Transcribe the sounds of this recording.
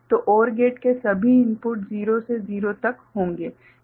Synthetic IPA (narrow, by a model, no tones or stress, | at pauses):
t̪oːʔɔːɾɡeːʈkesɐbʱiɪ̃mpʊʈziːɾoseziːɾot̪ɐkɦõːŋɡeː